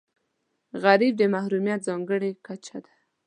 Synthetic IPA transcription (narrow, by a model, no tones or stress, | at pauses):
ɣaɾib̚d̪əmahɾumjat̪̚zɑŋɡəɽekat͡ʃad̪ḁ